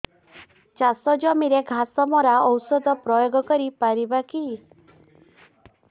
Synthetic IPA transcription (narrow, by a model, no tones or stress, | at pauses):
t͡ʃasɔd͡ʒɔmiɾeɡʱasɔmɔɾaɔwsɔd̪ɔpɾɔjoɡɔkɔɾipaɾibaki